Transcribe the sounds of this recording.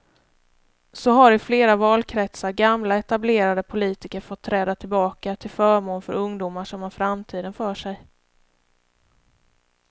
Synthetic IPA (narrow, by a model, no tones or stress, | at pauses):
sɔɦaɾɪfleːɾavɑːlkʰɾɛt̪saɾɡamlaɛt̪ableːɾad̪əpʰʊliːt̪ɪkəɾfɔt̪ʰːɾɛːd̪at̪ʰɪlbɑːkat̪ʰɪlfœːɾmoːnfœɾɵŋd̪uːmaʂɔmhanfɾamt̪ʰiːd̪ənfœːʂɛj